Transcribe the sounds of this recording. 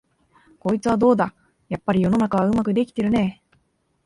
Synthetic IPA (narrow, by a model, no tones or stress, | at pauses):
ko̞ːit͡sɨβad̪o̞ːd̪a | japːaɾʲijo̞no̞nakaβaɯ̟makɯ̟d̪e̞kʲi̥t̪e̞ɾɯ̟ne̞ː